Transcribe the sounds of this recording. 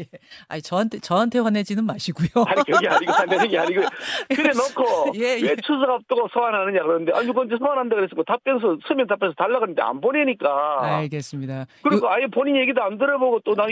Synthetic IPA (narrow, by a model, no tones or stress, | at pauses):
jea̰it͡ɕʌɦantʰet͡ɕʌɦantʰe̞ɸwʌne̞d͡ʑinɯnmaɕʰiɡujoaikɯɡeaɲiɡotʰandenɯŋɡeaɲiɡojkɯdenʌkʰojewet͡ɕʰusʰaɡap̚t͈ʌɡosʰʌwanɦanɯɲakɯɾʌnɯndeʔa̰ɲukʌnd͡ʑesʰʌwanɦandakɯɾes͈ɯkɡotap͈ensʰʌsʰɯmjʌntapʰesʰʌtaɭːaɡanɯnd̪ea̰nboneɲik͈aaɭɡe̞s͈ɯmɲidakɯɾiɡʰoajepoɲinjeɡidoandɯɾʌboɡot͈ona